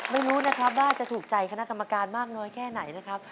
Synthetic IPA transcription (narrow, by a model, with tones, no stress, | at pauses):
ma˥˩jɾuː˦˥na˦˥kʰɾa˦˥p̚waː˥˩t͡ɕa˨˩ʔt̪ʰuː˨˩k̚t͡ɕa˧jkʰa˧na˦˥ʔka˧mːa˧kaː˧nmaː˥˩k̚nɔː˦˥jkʰɛː˥˩na˩˦jna˦˥kʰɾa˦˥p̚